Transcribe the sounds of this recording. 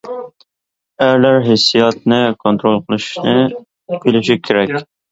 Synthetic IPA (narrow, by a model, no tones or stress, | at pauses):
æɾlæɾɦesːijɑt̪nɨkʰont̪ɾolˠqʰəlˠɨʃʃnɨ | belɪʃikʲʰeɾɛkʲ